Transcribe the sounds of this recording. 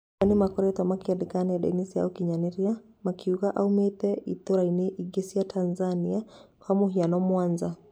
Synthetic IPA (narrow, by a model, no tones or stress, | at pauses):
animakɔɾɛt̪amakiɛdikanaɗɛ̰nisia̰ukiɲaniɾia | makʰiuɣaʔaumet̪ɛʔit̪oɾaineʔiɡesiatʰanzaniakʰamuɦianɔmwanza